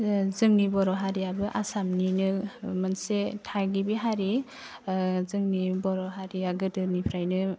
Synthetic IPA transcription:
zɯŋnibɔɾɔɦaɾijabɯʔasamninɯmɯnsetʰaɡibiɦaɾi | zɯŋnibɔɾɔɦaɾijaɡɯdɯnipʰɾajnɯ

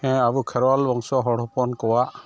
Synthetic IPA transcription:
hɛ̃abukʰɛɾwalbɔŋsɔɦɔɽɔpɔnkɔwaʔ

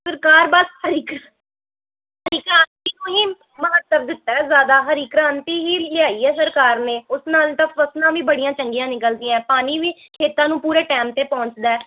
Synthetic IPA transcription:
səɾkaːɾbashəɾiːkɾa | həɾiːkɾãːnt̪iːnũːɦiː | məɦət̪ːəɾ̚d̪ɪt̪ːaːɛzjaːd̪aːɦəɾiːkɾãːnt̪iːɦiːlɪaːiːɛːsəɾkaːɾneːʊsnaːlt̪ãːəsnãːʋiːbəɽijãːt͡ʃəŋɡijãːnɪkəld̪iːaɛ̃ːpaːniːʋiːkʰeːt̪ãːnũːpuːɾeːʈɛːmt̪eːpɔ̃ːɲt͡ʃd̪aː

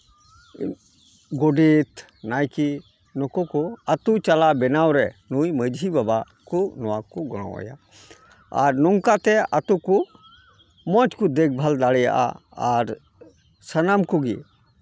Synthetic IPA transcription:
ɡɔɖit̪ | najki | nɔkɔkuət̪ut͡ʃalabɛnawɾɛnujməd͡ʒibaba | kunɔwakuɡɔɽ̃ɔ̰a̰ja̰ | a̰ɾnɔŋkat̪ɛat̪uku | mɔt͡ʃkud̪ek̚bʱald̪aɽɛja̰ʔa̰ | aɾ | sənamkuɡḭ

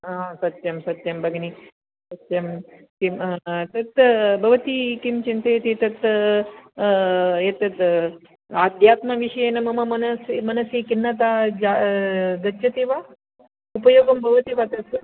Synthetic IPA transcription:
ãsɐt̪ːjɐmsɐt̪jɐmbɐɡni | sɐt̪jɐm | kimt̪ɐt̪bʱɐʋɐt̪ikimt͡ʃint̪ɐjet̪it̪ɐt̪ | jet̪ɐt̪ | ad̪ʱjaːt̪mɐʋiʂɐjenɐmɐmɐmɐnɐsimɐnɐsikinːɐt̪ad͡ʒad̪ɐt̪ːʃɐt̪iʋa | upɐjoːɡɐmbʱɐʋɐt̪iʋat̪ɐs

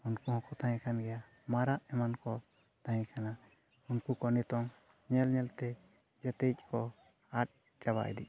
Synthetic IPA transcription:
unkuhɔ̃kɔt̪ãɛ̃kʰanɡɛja | maɾaʔɛmankɔ | t̪ãɛ̃kʰana | unkukɔnɛt̪ɔŋ | ɲɛlɲɛlt̪ɛ | d͡ʒat̪ec̚ˀkʰɔ | aɾ̚ | d͡ʒaba̰ʔɛ̰d̪ḭ

